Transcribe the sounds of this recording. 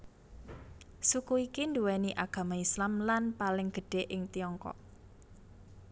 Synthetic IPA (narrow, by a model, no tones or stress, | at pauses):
sukuikind̪uwɛniʔaɡ̥ä̤maislamlanpalɪŋɡ̥ə̤ɖ̥e̤ʔɪŋt̪iɔŋkɔ̰ʔ